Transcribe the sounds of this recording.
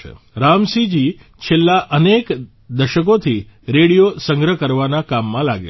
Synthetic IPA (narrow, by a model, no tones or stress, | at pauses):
ḛ | ɾamsid͡ʒi | t͡ʃʰelːaʔənek | d̪əʃəkot̪ʰiɾeɽijosəŋɡɾəkəɾʋanakamːãlaɡḛ